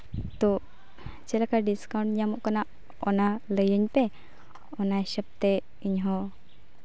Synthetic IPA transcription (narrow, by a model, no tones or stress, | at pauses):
t̪ɔ | t͡ʃɛlakaɖiskawɳʈɲamɔʔkanaʔ | ɔnaləjəɲpɛ | ɔnaɛsəp̚t̪ɛ | iɲɦɔ